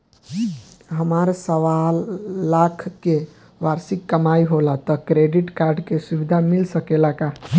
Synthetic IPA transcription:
ɦəmaɾsəʋalːakʰke | ʋaɾsikːəmaiɦolat̪ɔkɾeɖiʈkaɾɖkesubid̪ʱamilsəkelaka

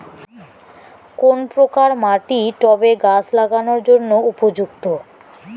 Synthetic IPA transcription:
konpɾokaɾmaʈiʈɔbeɡaslaɡanoɾd͡ʑonːoupod͡ʑukt̪o

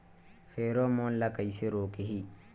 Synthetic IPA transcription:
fɛɾɔmɔnlakajseɾoːkihi

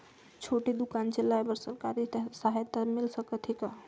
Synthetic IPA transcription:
t͡ʃʰoʈid̪ukant͡ʃelajbəɾsəɾkaɾisaɦet̪ːəmilsəkət̪ʰika

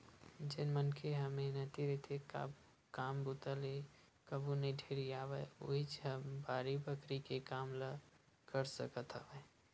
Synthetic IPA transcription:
d͡ʒɪnmənkʰeɦəmeɦnət̪iɾit̪eka̰ | kaːmbut̪əle | kəbunəiɖʱeɾiaːʋəo̰ɦit͡ʃɦəbaːɾibəkɾikekaːmlə | kəɾsəkət̪ɦəʋe

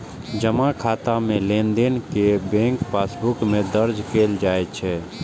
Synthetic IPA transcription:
d͡ʒəmãkʰaːt̪amẽlẽːnd̪enkebẽːŋkpaːsbʊkmẽd̪əɾd͡ʒkeːld͡ʒaːet͡ʃʰɛː

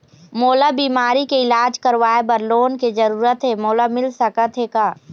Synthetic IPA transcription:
moːlabiːmaːɾikeɪlaːd͡ʒkəɾʋaːebɐɾloːnked͡ʒɐɾuːɾət̪ɦeːmoːlamɪlsəkət̪ɦekaː

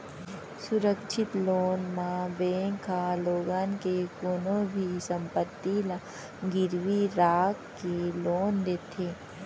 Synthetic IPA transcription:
sʊɾəkʃʰɪt̪loːnmãbeːkʰaloːɡaːnkekoːnõbʱisə̃mpət̪ːila | ɡɪɾʋiɾaːkːeloːnd̪eːt̪ʰeː

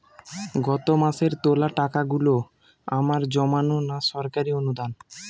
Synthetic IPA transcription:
ɡɔt̪omaʃeɾt̪olaʈakaɡulo | amaɾd͡ʑɔmanonaʃɔɾkaɾionud̪an

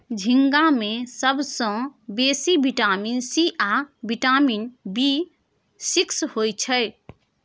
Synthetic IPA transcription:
d͡ʒʱiŋɡamesəbʱsə̃besibʱiʈaminsiʔabʱiʈaminbi | sikshojt͡ʃʰəɪ

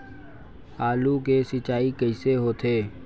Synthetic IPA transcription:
aːluːkeːsɪt͡ʃaːiːkəiːseːɦoːt̪ʰeː

